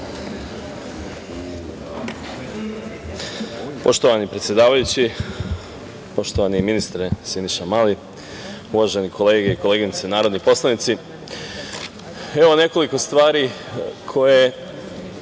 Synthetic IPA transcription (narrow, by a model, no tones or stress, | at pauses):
po̞ʃt̪o̞ʋanipɾet̪sje̞d̪aːʋajut͡ɕi | po̞ʃt̪oʋaniminist̪ɾesiniʃamali | uʋaʒe̞nikʰo̞le̞ːɡe̞ikole̞ːɡint̪senaːɾo̞d̪nipo̞slˠanit̪si | eʋo̞ne̞ko̞liko̞st̪ʋaːɾikʰo̞je